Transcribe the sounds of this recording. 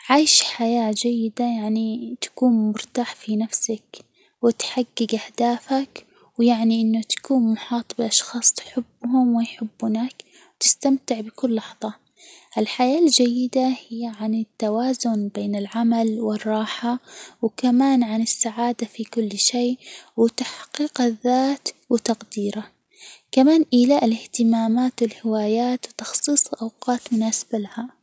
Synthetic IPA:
ʕaːjʃħajaːd͡ʒajːɪd̪ajaʕnit̪ḁkuːnmʊɾt̪aːħfinafsak | wɪt̪ħaɡːɪɡʔahd̪aːfak | wjaʕniʔɪnːʊt̪ḁkuːnmʊħɑːt̪ˤbɪʔɑʃxɑːsˤt̪ħɪbːhʊmwɪjħɪbːʊnak | wt̪ɪst̪amt̪ɪʕbɪkʊlːɑħðˤɑ | ʔɪlħajaːld͡ʒajːɪd̪ahɪjːaʕanɪt̪ːawaːzʊnbeːnɪlʕamalwɪrˤːɑːħawkamaːnʕanɪsːaʕaːd̪afikʊlːʃeːwɪt̪aħqiːqaðːaːt̪wɪt̪ɑqd̪iːɾa | kamaːnʔɪlaʔɪlɪht̪ɪmaːmaːt̪wɪlhɪwaːjaːt̪wt̪ɑxsˤiːsˤʔɑwqɑːt̪mʊnaːsḁbalaha

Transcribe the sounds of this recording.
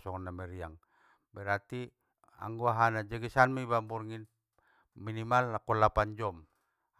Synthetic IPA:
sɔŋnːamɛɾiaŋ | bɛɾat̪i | a̰ŋɡuaɦanad͡ʒɛɡisanmibamburŋin | minimalːakɔlapand͡ʒɔm

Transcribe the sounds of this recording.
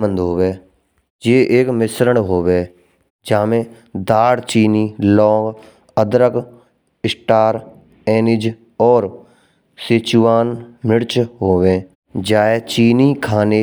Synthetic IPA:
ə̃nd̪ɦoːʋeː | d͡ʒeːʔeːkmɪsɾəɳɦoːʋeː | d͡ʒaːmẽː | d̪aːɽt͡ʃiːniːlɔːŋɡ | əd̪ɾək | ɪsʈaːɾ | ɛːnɪd͡ʒ | ɔːɾ | sɪt͡ʃuːaːnmɪɽt͡ʃɦoːʋẽː | d͡ʒaːeːt͡ʃiːniːkʰaːne

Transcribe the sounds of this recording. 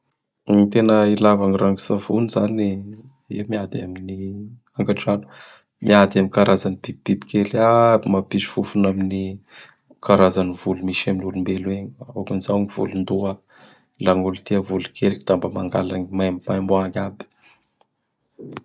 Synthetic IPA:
it̪enəilavaŋiraŋɡu̥savunizani | ewmiad̪iamini | aŋɡaʈ͡ʂanu̥ | mʔiad̪aminkaɾazanibibib̥ibi̥kelamapizi̥fufunamini | kaɾazanivulumiʃaminulumbelueɲaakunizaɲiv̥ṵlund̪oa | laŋulut̪iəvulukʰelkid̪ambəmaŋɡa̰laɲimajmimajmboaɲabi̥

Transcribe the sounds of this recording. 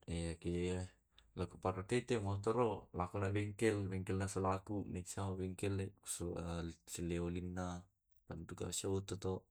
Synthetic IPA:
ejaki | lakupaɾak̪et̪emat̪ɔɾolakunabɛŋkɛlbɛŋkɛlnasolakunisaobɛŋkɛlːesosileolinːa | pant̪uka̰saut̪ot̪o

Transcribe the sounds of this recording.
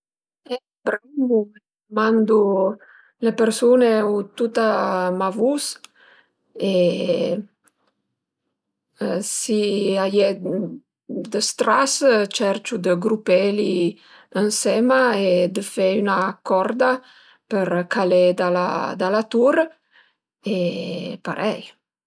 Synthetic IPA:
ɛ | bɾambume | mand̪u | lepəɾsuneut̪ut̪amavus | e | siajɛ | d̪əst̪ɾast͡ʃɛɾt͡ʃud̪əɡɾupeli | ənsɛmaed̪əfeynakɔɾd̪a | pəɾkaled̪ala̰d̪alat̪uɾ | epaɾʔɛ̰j

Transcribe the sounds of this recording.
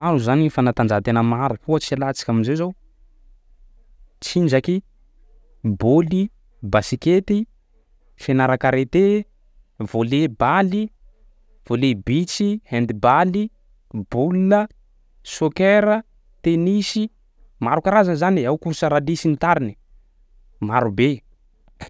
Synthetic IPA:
aɾuzanifanat̪and͡ʒat̪enəmaɾupuət͡sialat͡si̥kʲaminzezow | t͡sind͡ʒaki | boli | basiket̪i | fenaɾakaɾet̪e | volebali | v̥olebit͡sihɛnd̪ibali | bulːə | sokeɾə | t̪enisi | maɾukaɾazanzaniawkuɾsaɾalisint̪aɾini̥ | maɾube

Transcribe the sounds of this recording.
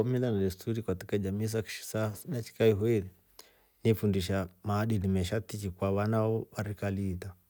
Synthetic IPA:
ɔmilanalɛstuɾikwatikad͡ʒamis̬aki̥ʃi̥sanat͡ʃi̥kaiɦɔiɾi | nifundiʃ̬amaːɗinimɛʃatit͡ʃikwaβanaɔβaɾikaliːta

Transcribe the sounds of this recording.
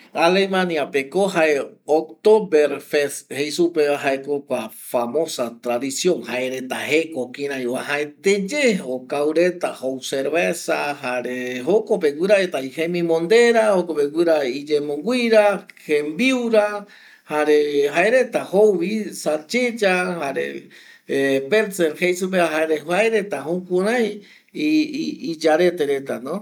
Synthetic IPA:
alemãniapekoɦaeok̚t̪obeɾfeshejsupeβaɦaekokʷa | famo̞sat̪ɾaðisjõ̞ŋhaeɾet̪a̰hekokiɾ̃ãjwahaet̪ed͡ʒeokawɾet̪ahowseɾβesahaɾeɦokopeɡʷɨɾaet̪ajhemĩmõnd̪e̞ɾahokopeɡʷɨɾaid͡ʒemõŋɡʷiɾahẽmbiuɾa | haɾeɦaeɾe̞t̪ahowβisat͡ʃed͡ʒahaɾḛ | peɾseɾhejsup̬eaɦaeɾehaeɾet̪aɦũkʷuɾãj | id͡ʒaɾe̞t̪eɾe̞t̪anõ

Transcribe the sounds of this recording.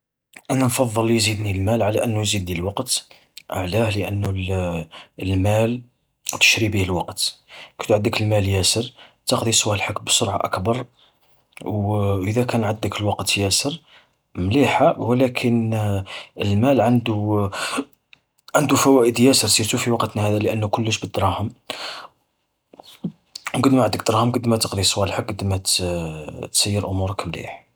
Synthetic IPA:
ʔænænfɑðˤːəlːijzid̪nilmælʕalæʔənːujzid̪ːiləlwɑqt̪ | ʔə̰ʕlæhləʔənːul | lmæl | t̪ə̥ʃɾibihəlwɑqt̪kæt̪ʕəd̪ːəkəlmæljæsəɾt̪ɑqd̪isˤwæhəlħəkmbəsoɾʕaʔə̰kbɑɾˤ | wʔəðækænʕəd̪ːəkəlwɑqt̪jæsəɾ | mliħawlækʰən | əlmælʕənd̪u | ʕənd̪ufæwæʔəd̪jæsəɾsiɾt̪ufiwɑqt̪næhæd̪æləʔənːʊkʊlːəʃbəd̪ɾˤɑhəm | wɡəd̪mæʕəd̪ːəkd̪ɾˤɑhəmqəd̪ːmæt̪ə̥qd̪ˤisˤwælħək̚ɡəd̪mæt̪ | t̪sæjːəɾʔʊmuɾəkmlḭħ

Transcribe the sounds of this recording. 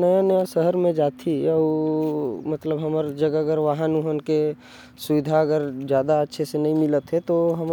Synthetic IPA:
nəjanəjasəɦəɾmẽd͡ʒaːt̪ʰiɔ | mət̪ləbɦəməɾd͡ʒəɡəɡəɾʋaɦənuɦənke | suʋɪd̪ʱaəɡəɾd͡ʒjaːd̪aətːʃʰesenəĩmɪlət̪ɦɛt̪oɦəm

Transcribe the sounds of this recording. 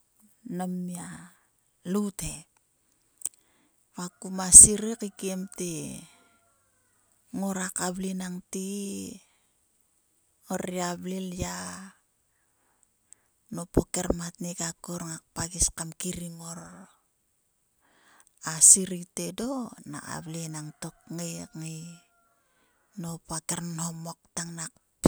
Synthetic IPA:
namia | lute | βakumasiɾikikiemti | ŋoɾakablinaŋti | oɾiablilja | nopokeɾmatnikakoɾŋak̚paɡiskamkiɾiŋoɾ | asiɾitedona̰a̰βlinaŋto̞kŋikŋi | nopakeɾnhomok̚taŋnakp

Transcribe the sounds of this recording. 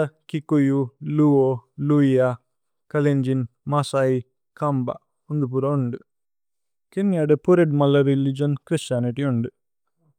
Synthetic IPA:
ɐkikujuluoluija | kɐleɲd͡ʒinmɐsai | kɐmbɐ̰ | und̪up̬uɾɐuɳɖu | kenjaɖɐpuɾeɖmɐlːɐɾilid͡ʒɐnkɾist͡ʃaːniʈiuɳɖu

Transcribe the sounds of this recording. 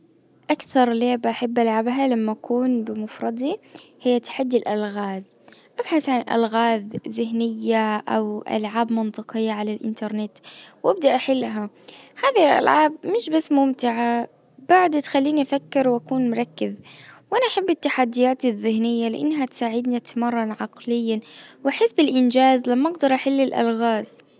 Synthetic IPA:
ʔakθɑɾˤleːbʔaħɪbːʔalʕabɦalamːaʔakuːnbɪmʊfɾˤɑd̪ˤihɪjːat̪ḁħad̪ːɪlʔalɣaːð | ʔabħaθʕanʔa̰lɣaːðzɪhnɪjːaʔawʔa̰lʕaːbmɪnt̪ˤɨqɪjːaʕalalʔɪ̰nt̪ɑɾˤnɪt̪wʔab̚d̪aʔaħɪlːɦa | haːðilʔa̰lʕaːb̚mɪʃbasːmʊmt̪ɪʕa | baʕd̪t̪xalːiːniʔafakːɪɾwʔakuːnmʊɾˤɑkːɪðwʔanaʔaħabːɪt̪ːaħad̪ːɪjaːt̪ɪðːɪhnɪjːalɪʔa̰nːɦat̪saːʕɪd̪niat̪amɑrˤːɑnʕɑqlɪjːanwʔaħɪsbɪlʔɪnd͡ʒaːðlamːaʔɑɡd̪ɑɾˤʔaħɪlːɪlʔa̰lɣaːð

